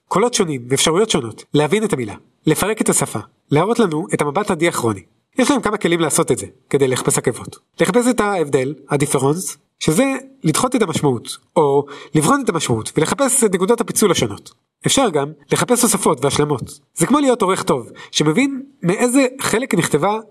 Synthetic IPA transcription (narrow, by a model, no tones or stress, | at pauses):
kʰo̞lo̞tʃo̞nimveːfʃaʁujo̞tʃo̞no̞tlehavine̞tamila̰ | lefaʁe̞ke̞tasafa̰ | leaʁo̞tlanue̞tamabatadiaχʁo̞ni | jeʃlaemkamake̞limlaːso̞tetzekede̞jleχḁpe̞shakevo̞t | le̞χape̞s̬etaevde̞lhadifeʁons | ʃezelidχo̞tetamaʃmaut | o̞livχo̞netamaʃmautvele̞χape̞setnekudothapit͡sulaʃono̞t | efʃaʁɡamleχape̞sosafo̞tveaʃlamo̞t | zekmo̞lijo̞to̞ʁeχto̞vʃeme̞vinmeʔe̞zeχe̞le̞kniχte̞va